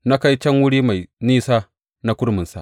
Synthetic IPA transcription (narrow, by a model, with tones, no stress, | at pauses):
na˦ka˦jt͡ʃɐ˦ŋwʊ˦ɽiː˦ma˨jniː˦saː˦ | na˦kʷʊ˦ɽmɪ˨nsa̰˨ʔ